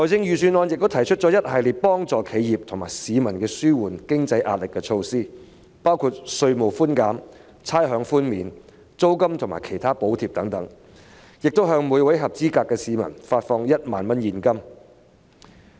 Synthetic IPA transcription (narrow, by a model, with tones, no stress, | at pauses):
lɔː˨˩jt͡sɪ˥˧ŋjyː˨syː˧nɔː˧njɪ˨k̚t̪t̪ʰɐ˨˩jt͡ʃʰt̚t͡ʃɔː˨˥jɐ˥t̚hɐ˨jliː˨˧pɔː˥ŋt͡sɔː˨˧kʰe˨˧jjiː˨p̚t̪ʰʊ˨˩ŋmaː˨˩jsiː˨˧mɐ˨˩nkɛː˧syː˥wuː˨˩nkɪ˥ŋt͡sɐ˧jʔa̰ː˨˧t̚lɪ˨kːɛː˧t͡ʃʰo˧wsiː˥ | paː˥wkʰuː˧˩t̚sɵ˧ɥmo˨˩wfuː˥nkaː˨˥m | t͡sʰaː˥jɦœː˨˧˥ŋfuː˥nmiː˨˧n | t͡so˥wkɐ˥mt̪ʰʊ˨˩ŋma̰ː˨˩jkʰe˨˩jt̪ʰaː˥po˨˥wt̪ʰiː˨˩p̚t̪ɐ˨˥ŋt̪ɐ˨˥ŋ | jɪ˨k̚t̪o˥wɦœː˧ŋmu˨˧jwɐ˨˥jɦɐ˨p̚t͡siː˥kaː˧kːɛː˧siː˨˧mɐ̰˨˩nfaː˧t̚fɔː˧ŋjɐ˥t̚ma̰ː˨nmɐ˥njiː˨nkɐ˥m